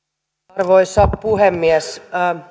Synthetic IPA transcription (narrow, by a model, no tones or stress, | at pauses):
rʋoisːɑppuhemːiɛs